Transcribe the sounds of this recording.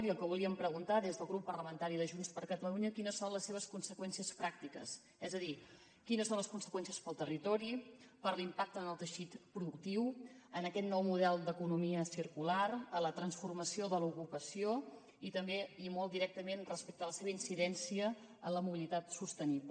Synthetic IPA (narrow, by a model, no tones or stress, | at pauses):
ɾiəlˠkəβ̞uliəmpɾəɣ̞unt̪aðezðəlˠɣɾupːərləmənt̪aɾiðəʒunspəɾkət̪əluɲəkinəsːonləsːeβ̞əskunsəkwɛnsiəspɾak̚t̪ikə̰s | ɛzəði | kinəsonləskunsə̥kwɛnsiəspəlˠt̪ərit̪ɔɾipəɾlimpak̚t̪ənəlˠt̪əʃit̪pɾuðuk̚t̪iwənəkɛt̪nɔwmuðɛlˠd̪əkunumiəsiɾkulaɾələt̪ɾənsfurməsioðəlukupəsio | it̪əmbeimolˠd̪iɾɛk̚t̪əmenrəspɛk̚t̪ələseβəinsiðɛnsiə | ənləmuβilit̪at̪sust̪əniplə